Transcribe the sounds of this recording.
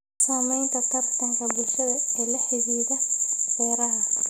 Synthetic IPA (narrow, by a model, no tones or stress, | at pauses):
saːmɛjnt̪ʰɐt̪ʰɐrt̪ʰɐŋkʰɐbʊlʃɐðɐɛlɐħɪɣiːðɐbɛːɾɐɦɐ